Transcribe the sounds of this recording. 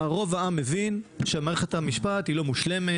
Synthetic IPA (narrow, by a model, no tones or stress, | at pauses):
aʁo̞vaamːevinʃeamaːʁeχethamiʃpat̪hilo̞muʃle̞me